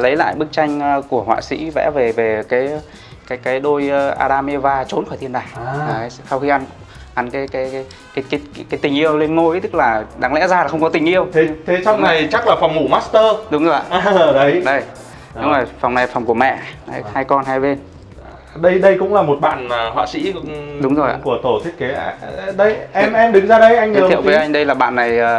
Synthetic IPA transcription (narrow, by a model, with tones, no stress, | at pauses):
lə˨˦jla̰ː˧˨jɓɨ˦˥k̚t͡ɕa˧jŋ̟˧ku˧˩əhwa̰ː˧˨sḭ˧˥vɛ̰˧˥ve˨˩ve˨˩kaː˨˦j | kaː˨˦jkaː˨˦jɗo˧jʔa̰ː˧ɗaː˧me˧vaː˧t͡ɕo˨˦nxɔ˧˩t̪i˧ənɗaː˨˩ja˨˩˨jsa˧wxi˧ʔa˧n | ʔa˨˦nkaː˨˦jkaː˨˦jkaː˨˦ | kaː˨˦jkaː˨˦jkaː˨˦jt̪ï˨˩ŋ̟ʔi˧əwle˧nŋo˧˥jt̪ɨ˦˥k̚laː˨˩ɗaː˨˦ŋlɛ̰˧˥zaː˧la˨˩xə˧wŋ͡mkɔ˨˦t̪ï˨˩ŋ̟ʔi˧əwt̪ʰe˨˦t̪ʰe˨˦t͡ɕa˧wŋ͡mna˨˩jt͡ɕa˦˥k̚laː˨˩fa˨˩wŋ͡mmṵ˧˩maː˦˥tst̪əː˧ɗʊ˨˦ŋ͡mzo˨˩ja̰˧˨ə˨˩ɗə˨˦jɗə˧j | ʊ˨˦ŋ͡mzo˨˩jfa˨˩wŋ͡mna˨˩fa˨˩wŋ͡mku˧˩əmɛ̰˧˨a˨˧˦haː˧jkɔ˧nɦaː˧jve˧n | ɗə˧jɗə˧jkʊ̰˧˥ŋ͡mlaː˨˩mo˨˩t̚ɓa̰ː˧˨nəː˨˩hwa̰ː˧˨sḭ˧˥ɗʊ˨˦ŋ͡mzo˨˩ja̰˧˨ku˧˩ət̪o˧˩t̪ʰi˦˥ət̚ke˨˦ɗə˧jʔɛ˧mʔɛ˧mɗɨ˨˦ŋzaː˧ɗə˧jʔa˧jŋi˦˨˧wvəː˨˦ʔa˧jŋ̟ɗə˧jlaː˨˩ɓa̰ː˧˨nːa˨˩jəː˨˩